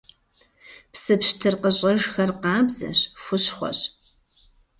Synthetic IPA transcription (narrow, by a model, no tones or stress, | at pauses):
psɨpɕtʰɨrqəɕʼɐʒxɐrqɑːbzɐ̰ɕfʷʊɕχʷɔ̰ɕ